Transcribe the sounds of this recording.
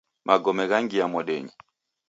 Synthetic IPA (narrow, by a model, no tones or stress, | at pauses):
mʔaɡɔmɛɣaŋɡijamɔɗɛɲi